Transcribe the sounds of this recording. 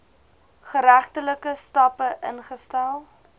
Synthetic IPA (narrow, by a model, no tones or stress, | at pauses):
χəɾæχtələkəstɐpəʔənχəstælˠ